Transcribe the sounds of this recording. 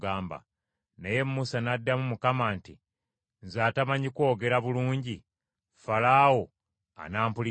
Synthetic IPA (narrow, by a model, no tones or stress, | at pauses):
ɡaːmba̰ | neje̞mːusanadːamumukamaːnti | nzaːtamaɲiko̞ːɡe̞ɾaβuluːɲɟi | falaːwo | a̰naːmpuli